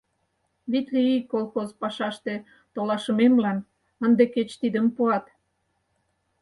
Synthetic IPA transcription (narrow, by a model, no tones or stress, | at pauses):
βit̪liikːolˠxozpɑʃɑʃt̪e | t̪olɑʃəmemlɑn | ənd̪eket͡ɕt̪id̪əmpuɑt̪